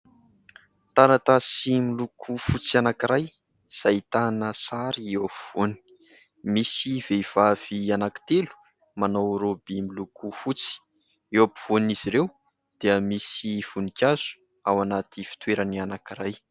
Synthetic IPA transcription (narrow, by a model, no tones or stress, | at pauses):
t̪aɾat̪asimilukʰufut͡sianakiɾaj | z̥ait̪anəsaɾiewapuv̥oni̥ | misiv̥eiv̥av̥ianaki̥t̪elu̥ | manowɾobimilukʰufut͡si̥ | ewapiv̥oniz̥iɾew | d̪̥eəmisiv̥unikʲaz̥u̥ | awanat̪ifi̥t̪weɾanianakiɾaj